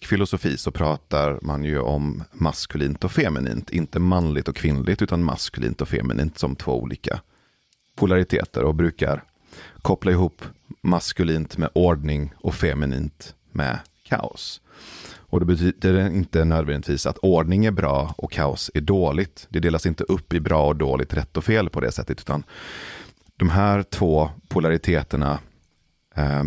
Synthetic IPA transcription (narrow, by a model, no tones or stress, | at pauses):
fɪlʊsʊfiːsɔpʰɾɑːt̪aɾmanjɵʔɔmːaskɵliːnt̪ɔfɛmɪnḭːnt̪ʰɪnt̪əmanlɪɡt̪ɔkʰːvɪnlɪɡt̪ʉ̟ːt̪anma̰skɵlḭːnt̪ɔfɛ̰mɪ̰nḭːnt̪sɔmt̪ʰv̥o̰ːṵːlḭːka̰ | pʰʊlaɾɪt̪ʰḛːt̪ə̰ɾɔbɾʉ̟ːka̰ɾ | kʰɔplaɪɦuːpːmaskɵliːnt̪mɛʔɔɖɳɪŋɔfɛmɪnḭːnt̪ | mɛ̰ | kʰa̰ːʊ̰s | ʔɔd̪ɛbɛyːd̪əɪnt̪ənøːd̪vɛɾənt̪ʰviːsat̪ʰɔɖɳɪŋæɾbɾɑːʔɔkʰːaːʊsæɖoːlɪɡt̪d̪ɛd̪eːlasɪnt̪əʔɵpːɪbɾɑːɔd̪oːlɪɡ̚t̪ɾɛt̪ːɔfeːlpʰɔd̪ɛ̰sɛ̰t̪ːət̪ʉ̟ːt̪an | d̪̥ɔmɦæːɾt̪ʰv̥oːpʰʊlaɾɪt̪ʰeːt̪əɳa̰